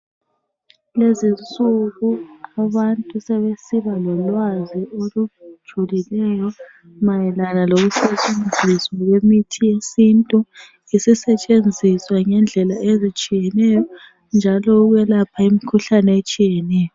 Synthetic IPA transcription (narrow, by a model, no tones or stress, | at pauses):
lezint͡sʼuɣuaβantʼusɛβesiβalɔlwaziolud̥ʒ̥ʱulilɛjɔ | majɛlanaloɣuset͡ʃʼend͡zʱiswaɣwemitʰijesintʼu | isisɛt͡ʃʼend͡zʱiswaŋɛnd͡ɮʱɛlaezit͡ʃʼijɛnɛjɔ | nd͡ʒʱalɔuɣwɛlapʰaimikʰuɬanɛet͡ʃʼijɛnɛːjɔ